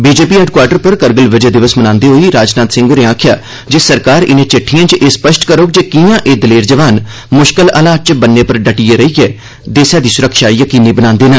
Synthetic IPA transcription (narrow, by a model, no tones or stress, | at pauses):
biːd͡ʒeːpiːɛːɖkwaːɾʈəɾpəɾkəɾɡəlʋəd͡ʒeːd̪ɪʋəsmənãːnd̪eːɦoːiːɾaːd͡ʒnaːt̪sɪ̃ŋɡoːnẽãːkʰɪja̰ː | d͡ʒeːsəɾkaːɾɪnẽːt͡ʃɪʈʰːijãːt͡ʃʔeːspəʃʈkəɾoːk̚d͡ʒeːkijãːʔeːd̪əleːɾd͡ʒəʋaːn | mʊʃkələlaːt͡ʃbənːeːpəɾɖəʈijeːɾəiːɡɛː | d̪eːsãːd̪iːsʊɾəkʰʃaːijəkiːniːbənãːnd̪eːnə̃ː